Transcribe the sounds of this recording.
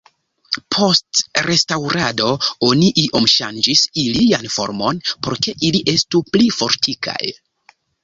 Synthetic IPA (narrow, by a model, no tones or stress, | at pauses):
pʰo̞stɾe̞stawɾado̞o̞niʔiʔo̞mʃand͡ʒisilijanfo̞̰ɾmo̞npo̞ɾke̞ʔiliʔe̞stuplifo̞ɾtʰikʰa̰j